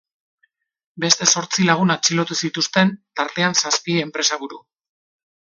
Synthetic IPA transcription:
be̞st̪e̞so̞ɾt͡silaɣ̞unat͡ʃilo̞t̪usit̪ust̪e̞nt̪aɾt̪e̞ansaspiempɾe̞saβuɾu

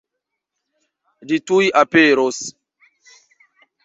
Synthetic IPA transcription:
litujʔapeɾos

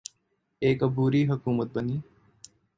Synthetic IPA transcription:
eːkəbuːɾiːɦəkuːmət̪̚bəniː

